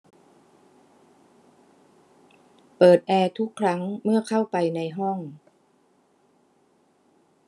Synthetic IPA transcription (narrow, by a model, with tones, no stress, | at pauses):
pɤː˨˩t̪̚ʔɛː˧t̪ʰu˦˥kʰːɾa˦˥ŋmɯ˥˩ɐkʰa˥˩wpa˧jna˧jɦɔ˥˩ŋ